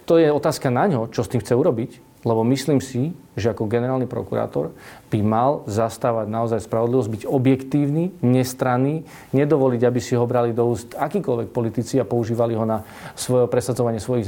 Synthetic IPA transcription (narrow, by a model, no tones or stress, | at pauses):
t̪ɔjɛɔt̪aːskanaɲɦɔt͡ʃɔst̪iːmxt͡sɛuɾɔbic | lɛbɔmisliːmsiʒɛakɔɡɛnɛɾaːlnipɾɔ̰kuɾa̰ːt̪ɔ̰ɾb̥imalzast̪aːʋaɟnaɔzajspɾaʋɔd̪liʋɔzɟ̚biɟɔbjɛkt̪iːʊniːɲɛst̪ɾaniː | ɲɛd̪ɔʋɔliɟabisiɦɔbɾalid̪ɔuːst̪akiːkɔlʋɛk̚pɔlit̪it͡siapɔuʒiːʋaliɦɔna | sʋɔjɔpɾɛsadd͡zɔʋaɲɪɛsʋɔji